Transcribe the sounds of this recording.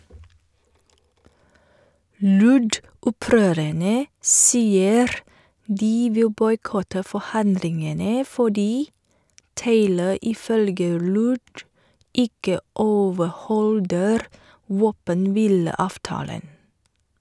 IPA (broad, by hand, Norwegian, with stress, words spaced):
ˈlʉɖʊˌpɾøːɾəɳə ˈsiːəɾ ˈdiː ˈʋɪl ˈbɔʏˌkɔtə fɔˈhɑndlɪŋənə fɔˈɖiː ˈteɪlə ɪˈfœlɡə ˈlʉːɖ ˈɪkə ˈoːʋəˌhɔldəɾ ˈʋoːpənˌʋiːləˌɑːfˌtɑːlən